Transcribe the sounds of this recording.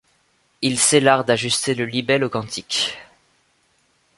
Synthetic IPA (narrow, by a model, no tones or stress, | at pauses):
ilselaʁd̪aʒyst̪eləlibɛlokɑ̃t̪ʰikʲ